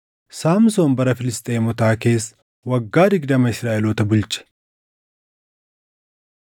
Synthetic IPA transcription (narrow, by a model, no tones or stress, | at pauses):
saːmso̞ːnbɐɾɐfɪlɪst̪ʼeːmɔt̪aːke̞ːs | wɐɡːaːd̪ɪɡd̪ɐmɐɪsɾaːʔɛloːt̪ɐbʊlt͡ʃʼːɛ̥